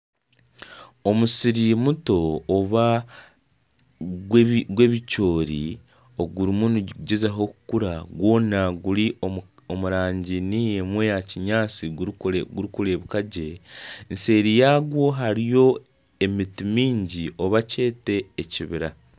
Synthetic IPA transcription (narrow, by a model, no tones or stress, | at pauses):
o̞musiɾimuto̞ːβa | ɡwe̞βico̞ːɾḭ | o̞ɡuɾimunuuɟezaɦo̞kukuɾaɡwo̞ːnaɡuɾioomuɾaːɲɟinijemwe̞jaciɲaːt͡siɡɡuɾikuɾe̞βukaɟe̞nse̞ːɾijaːɡwo̞ɦaɾijo̞ | e̞mitimiːɲɟiʔo̞βace̞ːte̞ːciβiɾa